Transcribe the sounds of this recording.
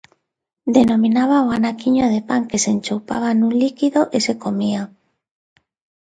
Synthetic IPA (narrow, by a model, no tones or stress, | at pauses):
d̪enomĩnaβ̞aoanakiɲoð̞epaŋkesent͡ʃowpaβ̞anũnlikiðoʔesekomia